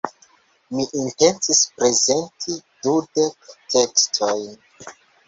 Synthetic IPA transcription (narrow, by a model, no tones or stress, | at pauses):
miʔinte̞nt͡sispɾeze̞ntʰidude̞ktekstʰojn